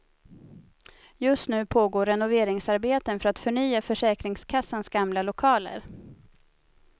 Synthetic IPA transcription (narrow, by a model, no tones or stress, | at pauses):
jɵst̪nʉ̟ːpʰoːɡoːɾɛnʊveːɾɪŋsaɾbeːt̪ənfœɾat̪fœɳyːafœʂɛːkɾɪŋskʰasːansɡamlalʊkʰɑːlə̰ɾ